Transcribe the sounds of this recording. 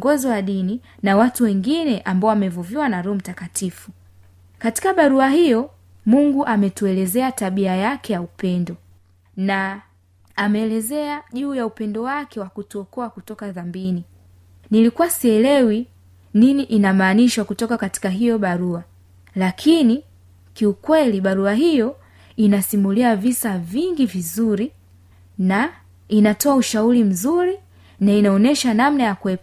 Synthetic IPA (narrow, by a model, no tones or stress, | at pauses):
ŋɡɔziwaɗini | nawatuwɛŋɡinɛʔambaɔamɛvuviwanaɾɔɔm̩takatifu | kati̥kaɓaɾuahijɔ | muŋɡuʔamɛtuɛlɛzɛataɓiajakʰɛjaupɛndɔ | naː | mɛːlɛzɛaʄuːjaupɛndɔwakɛwakutuɔkɔakutɔkaðambini | nilikuwasiɛlɛwi | niniʔinamaːniʃwakutɔkakati̥kaɦijɔɓaɾua | lakʰini | kiukwɛliɓaɾuaɦijɔ | inasimuliavisaviŋɡivizuɾi | na | inatɔauʃauɾim̩zuɾi | nainaɔnɛʃanamnajakuɛp